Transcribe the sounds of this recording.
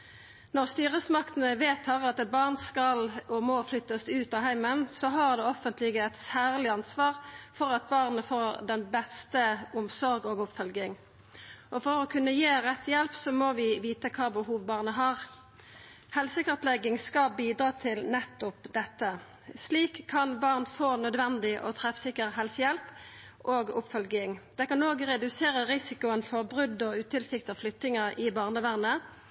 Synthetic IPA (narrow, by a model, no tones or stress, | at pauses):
nɔʁst̪yːʁəsmɑkt̪ən̩əʋeːt̪hɑʁɑt̪ɛt̪̚bɑʁnskɑlɔmoflʏt̪ːəsʉːt̪ɑhæɪmənsɔɦɑːʁd̪ɛːɔfənt̪lɪɡəɛt̪sæːʁlɪɑnsʋɑːʁfɔʁɑt̪̚bɑːʁnəfoːʁd̪ɛnbɛst̪əʊmsɔʁɡoːɡʊpfœlɡɪŋ | ʔɔfɔʁɔkʰʉnːəjeːʁɛt̪ːjɛlpsɔmoʋɪʋiːt̪əkʰɑːbəhuːʋbɑːʁnəɦɑːʁ | hɛlsɪkəʁɛt̪lɛɡɪŋskɑbiːd̪ɾɑːt̪ʰɪlnɛt̪ːʊpd̪ɛt̪ːə | sliːkʰːɑnbɑʁnfoːnœd̪ʋɛnd̪ɪʔɔt̪ʰʁɛfsɪkːəʁɦɛlsəjɛlp | ʔoːɡʊpfœlɡɪŋd̪̥ɛkɑnoːɡʁɛd̪ʉseːɾəʁɪsɪkʊənfɔʁbʁʉd̪ːɔʉːt̪ɪlsɪk̚t̪ɑflʏt̪ːɪŋəʔɪbɑːʁnəʋæʁnə